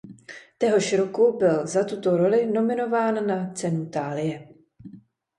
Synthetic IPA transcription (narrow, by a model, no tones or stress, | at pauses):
t̪jɛɦo̞ʃɾokubɪlzat̪ut̪o̞ɾo̞lɪno̞mɪno̞vaːnːat͡sɛnut̪aːlɪjɛ